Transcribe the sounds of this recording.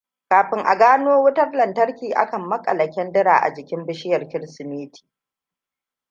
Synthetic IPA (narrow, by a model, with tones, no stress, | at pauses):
kaː˨ɸɪ˨˦ŋʔa̰˨ɡaː˦noː˦wʊ˦tɐ˦rlɐ˨ntɐ˦rkʲiː˨ʔa̰˦kɐ˨mːɐ˦kʼɐ̰˨lɐ˨kʲɛ˦ndɪ˦ɾa̰ː˨ʔa̰˨d͡ʒɪ˨kʲɪ˦mbɪ˦ʃɪ˦jɐ˨rkʲɪ˦ɾsɪ˨miː˦tʰi̥ː˨